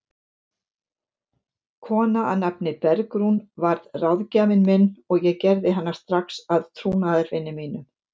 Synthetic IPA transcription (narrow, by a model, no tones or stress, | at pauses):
kʰɔːnaʔanapnɪpɛɾkɾunvaɾðrawðcaːmɪnmɪnːɔɣjɛɣcɛɾðɪɦanːḁɾ̥st̪ɾaxsaðt̪ʰɾuːnaðɪɾvɪnːɪmiːnʏm